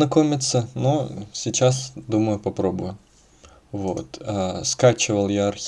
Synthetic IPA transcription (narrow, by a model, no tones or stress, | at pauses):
nɐkomʲɪt̪sənosʲɪt͡ɕasd̪uməjʊpɐpɾo̞bʊjʊ | vot̪əskat͡ɕɪvəlˠjaɐrxʲ